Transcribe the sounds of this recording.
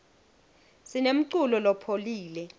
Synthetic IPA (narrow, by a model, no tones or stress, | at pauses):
sinem̩ǀulɔlɔpʰoliːlɛ